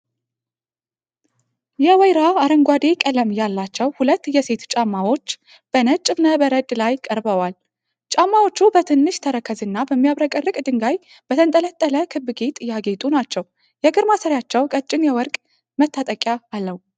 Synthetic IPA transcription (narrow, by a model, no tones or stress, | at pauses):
jɛwɔjɾaaɾəŋɡʷad̪e̞kʼələmjalːat͡ʃːɛwhulət̪ːjɛse̞t̪t͡ʃʼamːawo̞t͡ʃː | b̥ənət͡ʃʼːɨβnəbəɾəd̪lajkʼəɾbəwal | t͡ʃʼamːawo̞t͡ʃːubət̪ʰɨnːɨʃt̪ʰəɾəkʰəzɨnːabəmːijaβɾəkʼərːɨkʼd̪ɨŋɡaj | b̥ət̪ʰənt̪ʼələt̪ʼːələkʰɨbːɨɡet̪ʼjaɡe̞t̪ʼunat͡ʃːɛw | jɛɡɨɾmasəɾjat͡ʃːɛwkʼət͡ʃʼɪnjɛwɔɾkʼ | mət̪ʰːat̪ʼəkʼjaːlːəhu